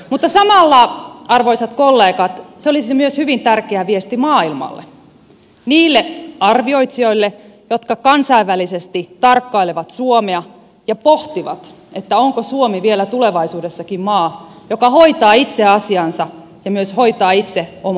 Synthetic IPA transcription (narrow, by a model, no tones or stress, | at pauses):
mut̪ːɑsɑmɑlːɑɑrʋoisɑt̪kolːeːkɑt̪seolisemyøshyʋint̪ærkeæʋiest̪imɑːilmɑ̰lːḛ | niːlːeɑrʋio̞it̪sio̞ilːe | jot̪kɑkɑnsɑiʋːælisest̪it̪ɑrkːɑileʋɑt̪suomeɑ | jɑpoht̪iʋɑ̰t̪ | et̪ːæoŋkosuomiʋielæt̪uleʋɑisuːdesːɑkimmɑːjokɑhoit̪ɑːit̪seɑsiɑnsɑ | jɑmyøshoit̪ɑːit̪seom